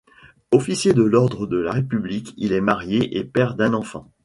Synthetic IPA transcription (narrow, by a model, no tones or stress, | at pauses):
ɔfisjed̪əlɔʁd̪ʁəd̪əlaʁepyblikʲilɛmaʁjeʔepɛʁd̪ɛ̃nɑ̃fɑ̰̃